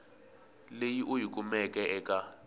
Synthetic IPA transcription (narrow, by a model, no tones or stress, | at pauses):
lejiʔujik̬ʼumɛkʼɛʔɛkʼa